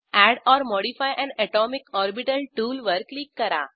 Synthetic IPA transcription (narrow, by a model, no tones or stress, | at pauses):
ɛɽɔːɾmɔːɽifajʔɛ̃ɳɖɛʈɔːmikɔːɾbiʈəlʈuːlʋəɾkliːkːəɾa̰